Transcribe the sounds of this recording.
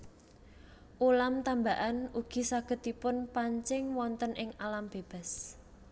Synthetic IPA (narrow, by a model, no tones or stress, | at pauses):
ʔulamt̪ambaʔanuɡ̥i̤saɡ̥ə̤t̪ipʊnpaɲt͡ʃɪŋwɔnt̪ənʔɪŋalamb̥eb̥a̤s